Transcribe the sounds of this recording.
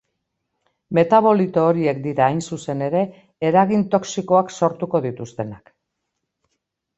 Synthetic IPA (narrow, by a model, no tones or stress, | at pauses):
me̞t̪aβ̞o̞lit̪oːɾie̞k̚d̪iɾaːjnsuse̞ne̞ɾe̞ː | ɾaɣ̞int̪o̞ksiko̞akso̞ɾt̪uko̞ðit̪ust̪e̞nak